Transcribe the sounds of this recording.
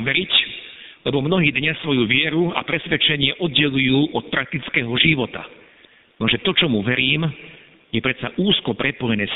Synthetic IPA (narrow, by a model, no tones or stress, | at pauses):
ʋɛɾic | lɛbɔmnɔɦiːd̪ɲasʋɔjuʋɪɛɾua̰pɾɛsʋɛt͡ʃɛɲɪɛʔɔd̪̚ɟɛlujuːʔɔt̪̚pɾak̚t̪it͡skɛːɦɔʒiʋɔt̪a̰ | nɔʒɛt̪ɔt͡ʃɔmuʋɛɾiːm | jɛpɾɛt̪t͡saʔuːskɔpɾɛpɔjɛnɛːs